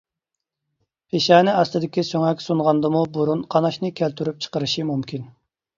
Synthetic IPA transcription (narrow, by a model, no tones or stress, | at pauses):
pʰeʃɛːnɪɑst̪ɨd̪ɪkʲisøŋɛkʲsunʁɑnd̪ɨmubuɾunqʰɑnɑʃnɨkʲʰælt̪ʰyɾyp̚t͡ʃʰə̥qəɾɨʃimumkʲʰin